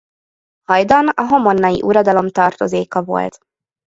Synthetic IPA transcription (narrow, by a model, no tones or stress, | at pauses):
hɒjd̪ɒnɒɦo̞mo̞nːɒjḭʔuɾɒd̪ɒlo̞mt̪ɒrt̪o̞zeːkɒvo̞̰lt̪